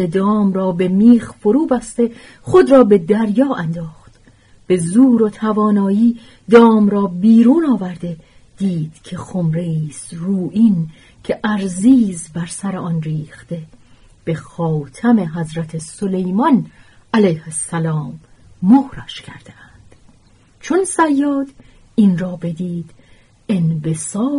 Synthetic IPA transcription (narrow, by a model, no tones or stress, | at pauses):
ed̪ɒːmɾɒːbe̞miːxfo̞ɾuːbæst̪e̞ | χo̞d̪ɾɒːbe̞d̪æɾjɒːʔænd̪ɒːχt̪ | b̥ezuːɾo̞t̪ʰævɒːnɒːjiː | d̪ɒːmɾɒːbiːɾuːnɒːvæɾd̪e̞ | d̪̥iːd̪̥cʰe̞χomɾeiːsruːʔin | cʰe̞ʔæɾziːzbæɾsæɾeɒnriːxt̪e̞ | b̥e̞xɒːt̪ʰæme̞ɦæzɾæt̪ʰeso̞le̞jmɒn | ælæjhesːælɒːmː | ohɾɒʃcʰæ̰ɾd̪̥eænd̪̥ | t͡ʃʰo̞nsæjːɒːd̪̥ | inrɒːbe̞d̪iːd̪̥ | enve̞sɒː